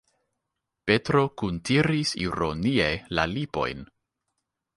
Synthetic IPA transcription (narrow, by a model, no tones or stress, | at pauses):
pe̞tɾo̞kuntiɾisḭɾo̞nielalipo̞̰jn